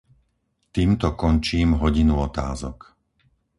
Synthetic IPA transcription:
t̪iːmt̪ɔkɔnt͡ʃiːmɦɔɟinuɔt̪a̰ːzɔk

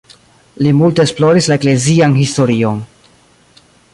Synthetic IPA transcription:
limulte̞ːsplo̞ɾislaekle̞zianhisto̞ɾio̞n

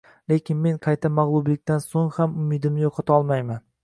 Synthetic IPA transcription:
le̞kʲʰɪnme̞ŋqʰɑjt̪ʰamaʁlˠʊblɪk̚ʲt̪ansoŋhamʊmɪd̪ɪmnɪjoqʰɒt̪ʰaɒlˠmajman

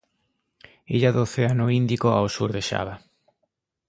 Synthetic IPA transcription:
eʎaðoθeanoind̪ikoa̰osuɾðeʃa̰βa

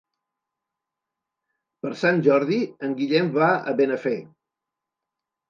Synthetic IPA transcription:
pəɾsanʲʒɔɾðiəŋɡiʎɛmbaə̰βenəfe

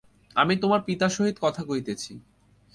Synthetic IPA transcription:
amit̪omaɾpit̪aʃoɦid̪kɔt̪ʰakojt̪et͡ɕʰi

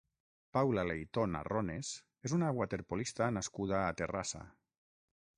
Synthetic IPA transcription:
pawlalejt̪ona̰rones | ezunaɣwat̪eɾpolist̪anaskuðaːt̪erasa̰

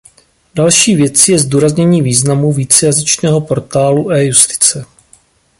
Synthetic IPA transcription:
d̥alʃiːvjɛt͡sɪjɛzduːɾazɲɛɲiːviːznamuviːt͡sɛjazɪt͡ʃnɛːɦo̞po̞ɾt̪aːluʔɛːjust̪ɪ̥t͡sɛ

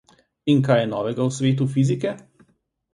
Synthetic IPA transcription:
iŋkajɛnɔːʋɛɡawsʋeːt̪̬ufizikɛ

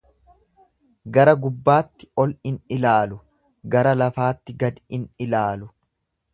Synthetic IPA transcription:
ɡɐɾɐɡʊbːaːt̪ːɪ̥ɔlɪnɪlaːlʊ | ɡɐɾɐlɐfaːt̪ːɪɡɐd̪ɪnɪlaːlʊ

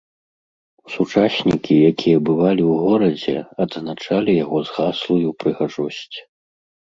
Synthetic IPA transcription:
sut͡ʂasʲnʲikʲʰijakʲʰijɐbɨvalʲiwɣɔɾɐd͡zʲɛ̰ɐd̪znat͡ʂalʲijaɣɔzɣaslˠujupɾɨɣaʐɔsʲt͡sʲ

